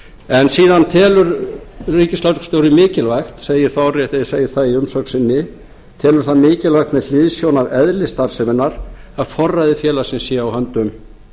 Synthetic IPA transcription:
ɛnsiːðant̪ʰɛːlʏɾriːcɪslaskst̪jowɾɪmɪːcɪlvajxt̪seːjɪɾ̥θawrjɛht̪ɪseːjɪɾ̥θaðiʏmsɔksɪnːɪ | t̪ʰɛːlʏɾ̥θaðmɪːcɪlvajxt̪mɛðl̥ɪðsjownavɛðlɪst̪aɾ̥sɪmɪnːaɾ̥aðfɔrːajðɪfjɛːlḁsɪnsjɛawhant̪ʏm

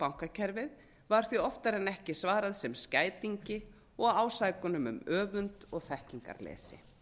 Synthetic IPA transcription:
pawŋ̥kacʰɛɾvɪð | vaɾ̥θiɔft̪aɾɛnɛhcɪsvaːɾaðsɛmscaːjt̪iɲcɪ | ɔɣaːwsaːjkʏnʏmʏ̰mœːvʏnt̪ɔɣθɛhciŋka̰ɾlɛ̰ːsɪ̰

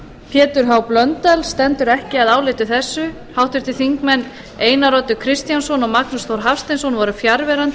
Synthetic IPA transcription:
pʰjɛːt̪ʏɾ̥ɦawplœnt̪ɛlst̪ɛnt̪ʏɾɛhcɪaðaːwlɪt̪ʏθɛsːʏ | hawht̪ʏɾ̥t̪ʰɪθiŋkmɛnː | eːjnaɾɔt̪ʏkʰɾɪst̪jansɔnɔmaknust̪ʰɔɾ̥ɦafst̪ɪnsɔnvɔɾʏfjaɾvɛɾant̪

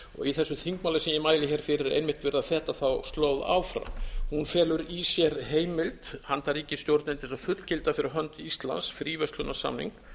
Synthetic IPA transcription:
ɔ̰ɣiθɛsːʏθiŋkmawlasɛmjɪmaːjlɪçɛɾ̥fɪɾɪɾḛjnmɪht̪vɛɾðaθɛːt̪aθawst̪loːwða̰ːwfɾa̰mhunfɛːlʏɾisjɛɾɦeːjmɪlt̪hant̪ʰaɾiːcɪst̪jowɾt̪nɪnt̪ɪsafʏt̪l̥cɪlt̪afɪɾɪɾɦœnt̪ist̪la̰nsfɾiːvœst̪lʏnːasa̰mnḭŋk

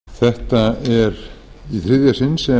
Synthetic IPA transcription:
θɛht̪aɛɾ | iθɾɪðjasɪnsɛ

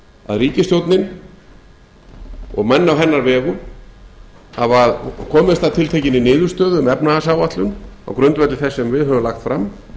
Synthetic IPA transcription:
a̰ðriːcɪst̪jowt̪nɪn | ɔɣmɛnːawɦɛnːaɾvɛːɣʏ | havaðkʰɔːmɪst̪at̪ʰɪlt̪ʰejcɪnːɪnɪːðʏɾ̥st̪œːðʏʏmɛpnaasaːwat̪lʏna̰wkɾʏnt̪vɛt̪lɪθɛsːɛmvɪðɦœvʏmlaxt̪fɾamː

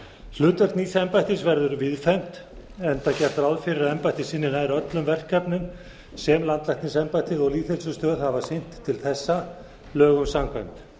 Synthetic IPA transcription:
θlʏːt̪œrt̪niːsɛmpajt̪ɪsvɛɾðʏɾvɪðfɛjm̥t̪ | ɛnt̪acɛɾt̪aɾaðfɪɾɪɾaðɛmpajt̪ɪsɪnːɪnajɾœt̪lʏmvɛr̥kʰːɛpnʏm | sɛmlant̪lajhk̪ɪnsɛmpajt̪ɪðɔɣliːt̪θhɛlsʏst̪œːðhavasen̥t̪ʰːɪlθɛsːa | lœːɣʏmsamkajmt̪

